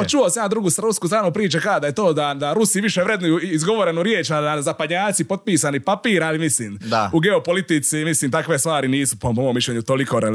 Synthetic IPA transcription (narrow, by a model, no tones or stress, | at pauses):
t͡ʃuosamjenad̪ɾuɡust̪ɾuskuːsɾaːnopɾiːt͡ʃakad̪ajet̪o̞ːd̪ad̪aɾusiʋiʃeʋɾe̞d̪nujuizɡo̞ʋoɾenuɾjeːt͡ʃaazapad̪ɲaːt̪sipo̞t̪̚piːsanipapiːɾalimisliːmd̪auɡe̞opo̞lit̪it̪simisliːmt̪akʋe̞st̪ʋaːɾiniːsupomomiʃʎʲeɲut̪o̞likoɾe